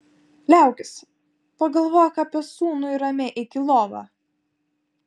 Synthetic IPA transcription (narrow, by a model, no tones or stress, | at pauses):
lʲæˑʊkʲɪsʲ | pɐɡɐlˠʋoːjɛkɑpʲiɛsuːnʊiɾɐmʲeʔɪkʲɪlˠoːʋɑ̰ː